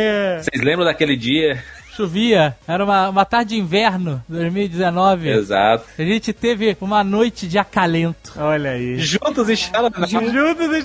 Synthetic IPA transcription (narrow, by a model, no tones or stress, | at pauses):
ɛsejzlẽmbɾɐ̃d̪akelɪd͡ʒiɐʃuviɐɛɾɐũmɐũmɐt̪aɾd͡ʒɪd͡ʒɪĩvɛɾnʊd̪ojzmiwid͡ʒɪzenɔvɪeza̰t̪ʊ̥aʒẽnt͡ʃɪt̪evɪũmɐnojt͡ʃɪd͡ʒɪakalẽnt̪ʊ̥ɔʎɐiʒũt̪ʊzĩʃaɾɐnʒũt̪ʊzi